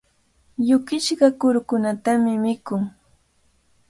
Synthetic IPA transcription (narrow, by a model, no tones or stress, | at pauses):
jʊkɪt͡ʃɢɑkʊɾkʊnat̪amɪmɪkʊŋ